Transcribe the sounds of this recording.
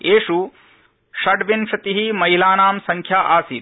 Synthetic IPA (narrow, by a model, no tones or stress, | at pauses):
eːʂu | ʃɐɖʋinʃɐt̪iɦimɐɦilaːnaːmsɐŋkʰjaʔaːsiːt̪